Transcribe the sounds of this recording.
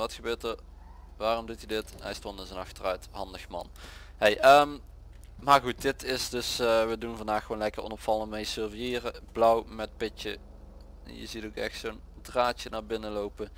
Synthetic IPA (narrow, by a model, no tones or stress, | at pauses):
ʋɑtxəbøːtər | ʋaːrɔmdutidɪtɦɛ̰jstɔntdəsənɑxtərœɥthɑndəxmɑ̰n | ɦejʔəm | maːɹɣut̚dɪtɪsdɵsʋədunvɑndaːxʋoːnlɛkərɔ̰nɔpfɑlˠənmejsøɹvijɪːrəb̥lɔwmɛt̚pɪt͡ʃə̰ | jə̰zitokɛ̰xtsondraːt͡ʃənaːɹbɪnəlowpə